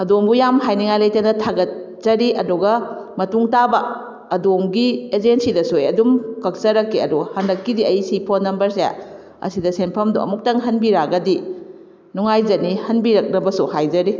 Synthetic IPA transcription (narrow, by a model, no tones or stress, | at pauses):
ɐdombujamɦajniŋajlɐjtandɐtʰaɡɐt̚ | z̥ɐɾiʔɐduɡɐmɐtuŋtabɐː | domɡied͡ʒensidɐsojɐdumkɐk̚t͡ʃɐɾɐkːiɐ̰duhɐndɐkːidiɐjsipʰonːɐmbɐɾseja̰ | ɐ̰sidɐsenpʰɐmdṵɐ̰muk̚tɐŋɦɐnbiɾaɡɐdi | nuŋajd͡ʒɐnihɐnbiɾɐk̚nɐbɐsuhajd͡ʒɐɾi